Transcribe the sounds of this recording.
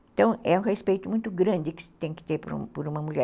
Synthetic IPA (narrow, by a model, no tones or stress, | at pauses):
ẽt̪ɐ̃w̃ɛũʁespejt̪ʊmũj̃t̪ʊɡɾɐ̃nd̪ɪkɪ̥t̪ẽj̃kɪ̥t̪eɾpoɾṵpoɾũmɐmuʎɛ